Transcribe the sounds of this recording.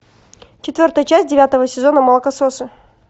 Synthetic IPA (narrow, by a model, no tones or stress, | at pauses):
t͡ɕɪt̪vʲo̞rt̪əjət͡ɕæs̚ʲdʲɪvʲat̪əvəsʲɪzo̞nəmɐlˠəkəsosɨ